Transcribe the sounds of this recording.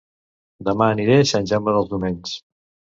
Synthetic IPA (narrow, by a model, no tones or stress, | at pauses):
d̪əmaːniɾeʃənʲʒamːəðəlˠzðumeɲʲs